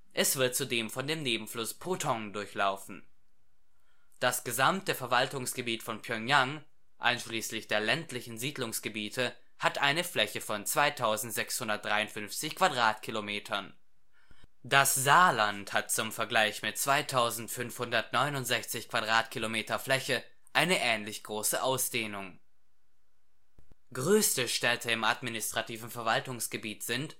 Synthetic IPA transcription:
ʔɛsv̥ɪɐt̚t͡sudeːmfɔndeːmneːbm̩flʊspʰotʰɔŋdʊɐçlaʊfn̩ | d̥asɡ̥əzamtəfɛɐvaltʊŋsɡ̥əbiːtfɔnpʰjœŋjaŋ | ʔa̰ɪnʃliːslɪçd̥eːɐlɛntlɪçn̩ziːdlʊŋsɡ̥əbiːtʰə | hatʔaɪnəflɛçəfɔnt͡sv̥aɪtʰaʊzn̩tz̥ɛkshʊndɐt̚d̥ʁaɪʊntfʏnft͡sɪçkv̥adʁaːtkʰilomeːtʰɐn | d̥aszaːlanthat̚t͡sʊmfɛɐɡlaɪçmɪt̚t͡sv̥aɪtʰaʊzn̩tfʏnfhʊndɐtnɔʏnʊntz̥ɛçt͡sɪçkv̥adʁaːtkʰilomeːtɐflɛçə | ʔaɪnəʔɛːnlɪçɡ̥ʁoːsəʔaʊsd̥eːnʊŋ | ɡ̥ʁøːstəʃtɛtʰəɪmʔatminɪstʁ̥atiːvn̩fɛɐvaltʊŋsɡ̥əbiːtz̥ɪnt

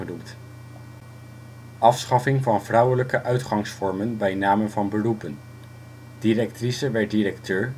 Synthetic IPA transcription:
ənumt | ʔɑfsχɑfɪŋvɑnvrʌwələkəʔœɥtχɑŋsfɔɹmənbɛjnaːmənvɑnbərupən | d̥irɛk̚trisəʋɛɹt̚diɾɛktøːɹ

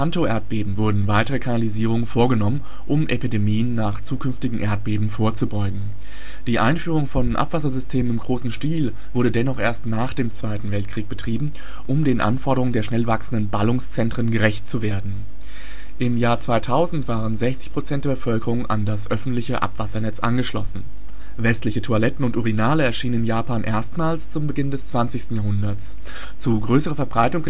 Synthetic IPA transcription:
antoʔeɐt̚b̥eːbm̩vʊɐdn̩vaɪtəʁəkʰanaliziːʁ̞ʊŋənfoːɐɡənɔmən | ʔʊmʔepidemiːənːaːχt͡suːkʰʏnftɪɡŋ̩ʔeːɐt̚b̥eːbm̩foːɐt͡subɔʏɡŋ̩ | d̥iːʔa̰ɪnfyːʁ̞ʊŋfɔnʔa̰pv̥asɐzʏstʰeːmənɪmɡʁoːsn̩ʃtiːl | v̥ʊɐdədɛnɔχʔeːɐstnaːχd̥eːmt͡sv̥aɪtn̩vɛlt̚kʁ̥iːk̚b̥ətʁ̥iːbm̩ | ʔʊmdeːnʔa̰nfɔɐɾəʁʊŋəndeːɐʃnɛlvaksn̩dənbalʊŋst͡sɛntʁ̥ənɡəʁɛçt̚t͡suveːɐdn̩ | ʔɪmjaːɐt͡sv̥aɪtʰaʊzn̩tv̥aːʁənzɛçt͡sɪ̥çpʁ̥ot͡sɛntd̥eːɐbəfœlkəʁʊŋʔa̰ndasʔœfn̩tlɪçəʔa̰pv̥asɐnɛt͡sʔa̰nɡəʃlɔ̰sn̩ | vɛstlɪçətʰualɛtn̩ʊntuʁinaːləɛɐʃiːnənɪnjaːpaːnʔḛːɐstmaːlst͡sʊmbəɡɪndɛst͡sv̥ant͡sɪçstn̩jaːɦʊndɐt͡s | t͡suɡʁøːsəʁ̞ɐfɛɐbʁaɪtʊŋɡə

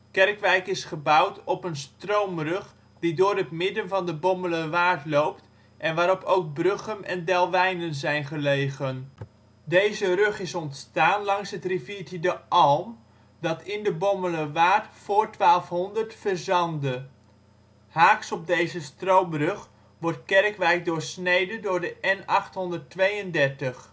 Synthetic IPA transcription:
kɛrkʋɛjkɪsχəbʌwtɔpənstrowmrɵχ | didʊːɾɦətmɪdənvɑndəbɔmələʋaːɹtlowpt | ʔɛnʋaːɾɔpowk̚brøχənɛ̰ndɛlˠʋɛjnənzɛjnχəlejχən | dejzərɵχɪsɔntstaːnlɑŋsɦətriviːtidəʔɑlˠm | dɑtɪndəbɔmələʋaːɹtfʊːɹtʋaːlˠfɦɔndəɹtfəɹzɑndə | haːksɔb̚dejzəstrowbrɵχ | ʋɔrt̚kɛrkʋɛjk̚dʊːɹsnejdəndʊːɹdəʔɛnɑχtɦɔndətʋejəndɛɹtəχ

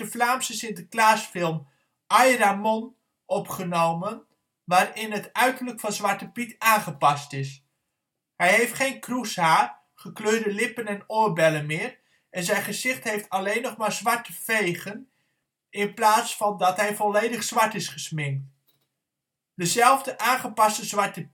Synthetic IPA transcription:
əflaːmsəsɪntəklaːsfɪlˠm | ʔɑjramɔn | ʔɔpχənowmən | ʋaːɹɪnɦətœɥtələkfɑnzʋɑɹtəpitaːnχəpɑstɪs | ɦɛjɦejftχejnkrushaːɹ | χəkløːɹdəlɪpənɛnʊːɹbɛlənmɪːɹ | ʔɛnzɛjnχəzɪχtɦejftɑlejnɔχmaːɹzʋɑɹtəv̥ejχən | ɪnplaːtsfɑndɑtɦɛjvɔlejdəχz̥ʋɑɹtɪsχəsmɪŋk̚t | dəzɛlˠvdəʔaːnχəpɑstəzʋɑɹtə

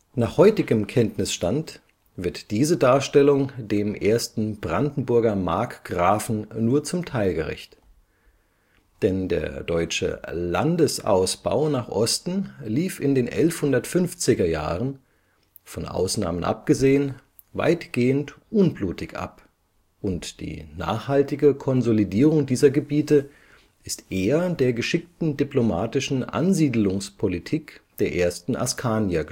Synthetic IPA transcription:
naːχhɔʏtɪɡəmkʰɛntnɪsʃtant | v̥ɪɐtd̥iːzədaːɐʃtɛlʊŋdeːmʔeːɐstn̩bʁandn̩bʊɐɡɐma̰ɐkɡ̥ʁaːfn̩nuːɐt͡sʊmtʰaɪlɡəʁɪ̰çt | d̥ɛndḛːɐdɔʏt͡ʃə̰la̰ndəsa̰ʊsb̥a̰ʊnaːχʔɔstn̩liːfɪndeːnʔɛlfhʊndɐtfʏnft͡sɪɡɐja̰ːʁən | fɔnʔa̰ʊsna̰ːmənʔa̰p̚ɡ̥əzeːən | va̰ɪtɡ̥eːəntʔʊnbluːtɪçʔa̰p | ʔʊntd̥ḭːna̰ːχhaltɪɡəkʰɔnzolidiːʁ̞ʊŋdiːzɐɡəbiːtə | ʔɪstʔeːɐdeːɐɡəʃɪk̚tn̩diploma̰ːtɪʃn̩ʔa̰nziːdl̩ʊŋspʰolitʰiːkd̥eːɐʔeːɐstn̩ʔa̰skʰaːnja

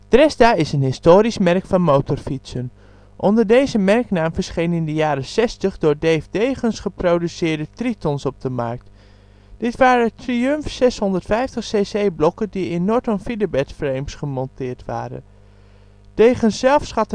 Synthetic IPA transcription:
d̥rɛsdaːɪsənɦɪstoːɾismɛrkfɑnmowtɔɹfitsən | ʔɔndəɹdejzəmɛɹknaːmvəɹsχejnɪndəjaːɾəsɛstəχdʊːɹdejfdejχənsχəprowdysɪːɹdətritɔnsɔb̚dəmɑ̰ɹk̚t | d̥ɪtʋaːɾətriømfsɛsɦɔndəɹtfɛjftəχsesejblɔkəndiɪnːɔɹtɔnfidəbɛtfrejmsχəmɔntɪːɹtʋa̰ːɾə̰n | d̥ejχənsːɛlˠfsχɑtə

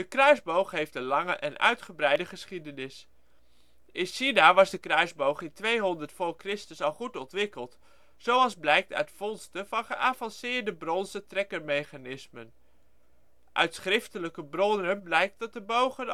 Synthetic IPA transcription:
dəkrœɥzbowχɦejftdənlɑŋəʔɛnʔœ̰ɥtχəbrɛjdəχəsχidənɪs | ɪnsinaʋɑzdəkrœɥzbowχɪntʋejɦɔndəɹtfʊːɹkrɪstəsɑlˠχutɔntʋɪkəlˠt | sowɑlˠzblɛjk̚tœ̰ɥtfɔnstəvɑnχəʔaːvɑnsɪːɹdəbrɔnzətrɛkəɹmejχanɪsmən | ʔœ̰ɥtsχrɪftələkəbrɔnənblɛjk̚t̚dɑt̚dəbowχən

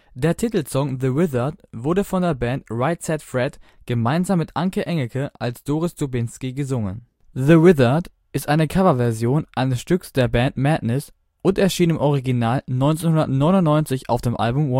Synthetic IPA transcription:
d̥eːɐtʰitl̩sɔŋðəwɪðɐtv̥ʊɐdəfɔndeːɐbɛntʁaɪtsɛtfʁɛt | ɡ̥əmaɪnzaːmːɪtʔaŋkəʔɛŋl̩kʰəʔalsd̥oːʁɪsd̥obɪnskiɡəzʊŋə̰n | ðəwɪðɐd | ʔɪstʔaɪnəkʰavɐvɛɐzjoːnʔaɪnəsʃtʏksd̥eːɐbɛntmɛdnɪs | ʔʊntɛɐʃiːnɪmʔɔʁ̞iɡinaːlnɔʏnt͡seːnhʊndɐtnɔʏnʊntnɔʏnt͡sɪça̰ʊfd̥eːmʔa̰lbʊmwɔ

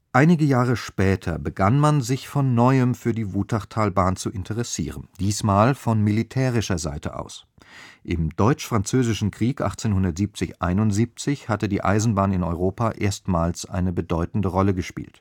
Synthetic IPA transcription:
ʔaɪnɪɡəjaːʁ̞əʃpɛːtʰɐ̰bəɡanmanzɪçfɔnːɔʏəmfyːɐdiːvuːtʰaʁtʰaːlbaːnt͡suʔɪntʰəʁɛsḭːʁ̞ənd̥iːsmaːlfɔnmilitʰɛːʁ̞ɪʃɐza̰ɪtə̰ʔa̰ʊs | ʔɪmd̥ɔʏt͡ʃfʁ̥ant͡søːzɪʃn̩kʁ̥iːkʔa̰χt͡seːnhʊndɐtz̥iːp̚t͡sɪçʔa̰ɪnʊntz̥iːp̚t͡sɪçhatədiːʔa̰ɪzn̩baːnɪnɔʏʁoːpaːʔeːɐstmaːlsʔa̰ɪnəbədɔʏtn̩dəʁɔləɡəʃpḭːlt

